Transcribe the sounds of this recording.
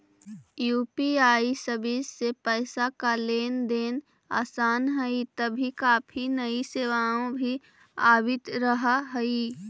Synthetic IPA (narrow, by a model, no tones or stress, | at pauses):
juːpiaːisɐbisepɛːɪsakaleːnd̪eːn | a̰ːsaːnɦɛit̪ɐbʱikaːpʰinɐiseːʋaːõbʱi | aːbɪt̪ɾɐɦaɦɛi